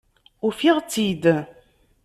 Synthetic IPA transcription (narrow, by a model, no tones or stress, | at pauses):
ʊfiʁt͡sːid̪